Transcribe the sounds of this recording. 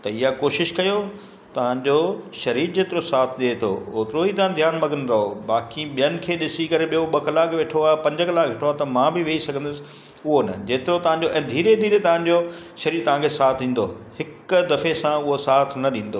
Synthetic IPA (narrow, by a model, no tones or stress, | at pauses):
t̪ɐɪjakoːʃɪʃkɐjo | t̪ɐʋ̤ãɲd͡ʑoːʃɐɾiːɾd͡ʑeːt̪ɪɾosaːt̪ʰɗiet̪ʰo̰oːt̪ɪɾoiːt̪ɐʋãd̪ʱjaːnmɐɡənɪ̆ɾɐɦoɓaːkiɓijənɪ̆kʰeːɗɪsikɐɾeɓiɦoɓɐkɐlaːkʋeːʈʰoaːpɐ̃ɲd͡ʑəkɐlaːkʋeːʈʰoaːt̪ɐmãːbɪʋeisɐɡʱə̃nd̪ʊsɪ̥̆ | ʊɦonɐ̰d͡ʑeːt̪ɪɾot̪ɐʋ̤ãɲd͡ʑoʔɛ̃ːd̪ʱiːɾed̪ʱiːɾet̪ɐʋ̤ãɲd͡ʑo | ʃɐɾiːɾt̪ɐʋ̤ãkʰesaːt̪ʰɗĩːn̆d̪oːhɪkʊd̪ɐfesãʊɦosaːt̪ʰnɐɗĩːn̆d̪oː